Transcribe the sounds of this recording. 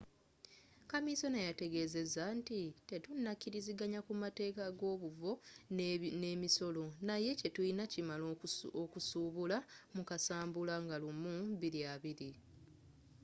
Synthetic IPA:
kamiso̞najate̞ɡe̞ːze̞zantite̞tunːacːiɾiziɡaɲakumate̞ːkaɡo̞ːβuvo̞ | neːmiso̞lo̞naje̞ce̞tuinacimalookusuːβulamukasaːmbulaŋɡalumuβiɾiaβiɾi

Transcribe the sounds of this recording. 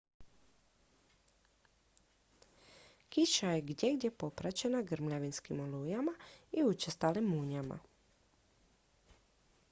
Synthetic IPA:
kiʃaje̞ɡd̪jeɡd̪je̞po̞pɾat͡ɕe̞naɡɾ̩mʎaʋinskimolujamaiut͡ʃest̪alimuɲama̰

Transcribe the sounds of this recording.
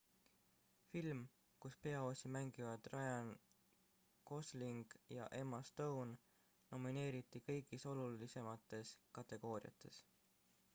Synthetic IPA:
film | kuspe̞ɑosʲimæŋɡ̥ivɑd̪̥rʔɑjɑn | ko̞sliŋɡ̥jɑ̰ʔe̞mɑst̪ownː | o̞mine̞ːɾit̪ːˑikɤ̞jɡ̥iso̞lulise̞mɑt̪ːˑe̞skɑt̪ːˑe̞ɡ̥o̞ːɾḭɑ̰t̪ːˑe̞s

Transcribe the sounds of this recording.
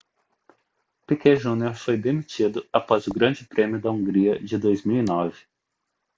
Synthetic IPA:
pikɛʒũnioɾfojd̪emit͡ʃid̪ʊapɔzʊɡɾɐ̃d͡ʒɪpɾẽmjʊd̪ɐũɡɾiɐd͡ʒɪd̪ojzmiwinɔvɪ̥

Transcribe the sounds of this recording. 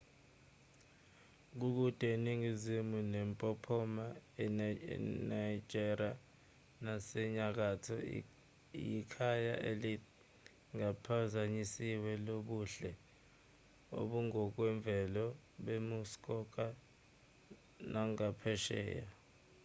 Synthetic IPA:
k̬uk̬ud̥ʱʼeniŋizimunɛmpʼɔpʰɔma̰ | naid͡ʒ̥ʱʼɛra | nasɛɲak̬atʰɔ̰ | jikʰaja̰ʔeli | ŋapʰazaɲisiwɛloɓuɬɛ | o̰ɓuŋɔk̬wɛɱb̪vʱɛlɔ | ɓemuskʼɔk̬ʼa | naŋapʰɛʃɛ̰ːja

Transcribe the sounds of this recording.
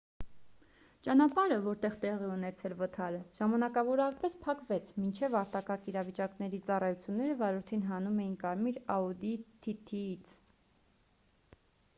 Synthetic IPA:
t͡ʃɑnɑpɑɾəvɔɾt̪ɛʁt̪ɛʁiɛunɛt͡sʰɛlvət̪ʰɑɾəʒ̥ɑmɑnɑkɑvɔɾɑpɛspʰɑkvɛt͡sʰmint͡ʃʰɛvɑɾt̪ɑkɑɾkiɾɑvit͡ʃɑknɛɾit͡sɑrɑjut͡sʰjunːɛɾəvɑɾɔɾt̪ʰinɦɑnumɛjinkɑɾmiɾɑud̪it̪ʰit̪ʰiit͡sʰ

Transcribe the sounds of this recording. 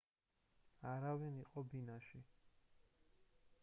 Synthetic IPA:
aɾavɛniqʼɔbinaʃi

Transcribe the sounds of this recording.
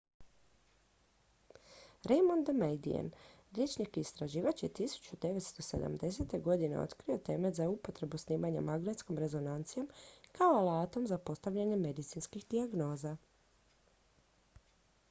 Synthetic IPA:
ɾejmond̪mejd̪ḭḛn | ɾje̞t͡ʃɲakiːst̪ɾaʒiːʋat͡ɕjet̪isu̥t͡ɕud̪e̞ʋe̞t̪st̪o̞se̞d̪a̰md̪e̞set̪e̞ɡo̞d̪ine̞̰o̰t̪kɾio̞t̪e̞met̪zaupo̞t̪ɾe̞busniːmaɲamaɡnet̪sko̞mɾe̞zo̞nant̪sijo̞mkaolat̪o̞mzapo̞st̪aʋʎaɲe̞me̞d̪it̪sinskixd̪iaɡno̞ːza

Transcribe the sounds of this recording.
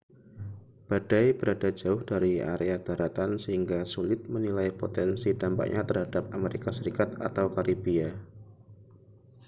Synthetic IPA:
b̥ad̥ajb̥əɾadad͡ʒaʊhd̥aɾia̰ɾead̥aɾat̪ansəhiŋɡasulɪt̪̚mənilajpot̪ɛnsidampa̰ʔɲʔat̪ərɦadap̚ameɾikasəɾikat̪̚a̰t̪awkaɾibia

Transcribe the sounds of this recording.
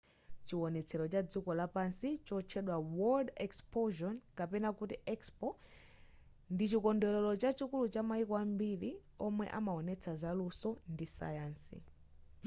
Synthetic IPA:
t͡ʃiwɔnɛt͡sʰɛɾɔt͡ʃad͡zikɔlapansit͡ʃɔt͡ʃʰɛɗwawɔldɛkspɔʒɔnkapɛnakutiʔɛkspɔ | ndit͡ʃikɔndɔlɔlɔt͡ʃat͡ʃikulut͡ʃamaikɔambiɾiɔmwɛ̰ʔamaɔnɛt͡sʰazalusɔndisa̰jaːnsḭ

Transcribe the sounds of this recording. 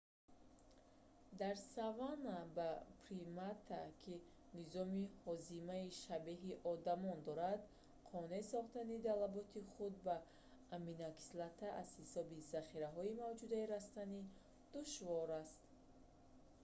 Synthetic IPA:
d̪aɾsavanabapɾimat̪ʰakʰi | nizɔmihɔzimaiʃabeɦiʔɔd̪amɔnd̪ɔɾad̪ | qʰɔnesɔχt̪anid̪alabɔt̪ʰiχud̪̚baː | minakʰi̥slat̪ʰaʔaz̥hisɔbizaχiɾaɦɔimavd͡ʒud̪aiɾast̪ani | d̪̥uʃvɔɾast̪

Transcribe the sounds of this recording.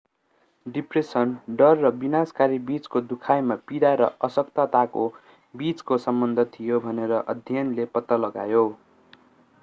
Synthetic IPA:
ɖipresʌnɖʌrːʌbinaskaɾibit͡skod̪ukʰajmapiɽaɾʌ̰ʔʌsʌkt̪at̪ako | bit͡skosʌmbʌnd̪ʱʌt̪ʰijobʱʌneɾʌʔʌd̪ʱjʌnlepʌt̪ːʌlʌɡa̰jo

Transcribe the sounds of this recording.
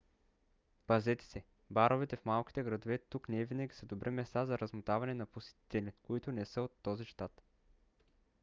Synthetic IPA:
pɐzɛt̪ɛ̥sɛ | baɾovit̪ɛfmalˠk̟ʲi̥t̪ɛɡɾɐd̪ovɛt̪uknɛɛvinəɡʲisəd̪obɾʔɛmɛst̪azɐɾɐzmot̪avɐnɛnɐposɛ̥t̪i̥t̪ɛlʲikoit̪ʊnɛsəot̪ːɔziʃt̪at̪

